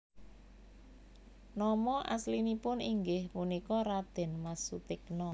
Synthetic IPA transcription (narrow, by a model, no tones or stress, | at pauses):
nɔmɔʔa̰slinipʊniŋɡɪhpunikɔɾad̪̥ɛ̤nmasut̪ɪknɔ